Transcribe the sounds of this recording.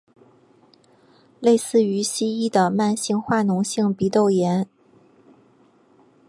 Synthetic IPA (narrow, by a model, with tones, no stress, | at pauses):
le˥˧ɪsɹ̩˥˩y˧˥ɕi˥i˥d̪ə˨ma˥˧nɕi˥˧ŋxwa˥˩nʊ˧˥ŋɕi˥˩ŋpi˧˥t̪o˥˩ʊjɛ˧˥n